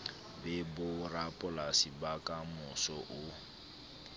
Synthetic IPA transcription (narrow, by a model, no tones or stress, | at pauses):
bɛbʊrapʼʊlasibakʼamʊsɔʔʊ